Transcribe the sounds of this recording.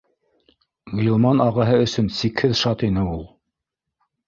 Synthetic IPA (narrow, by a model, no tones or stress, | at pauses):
ɡilˠmɑnɑʁɑɦɤɵ̆sɵnsikhɘðʃɑt̪inɘulˠ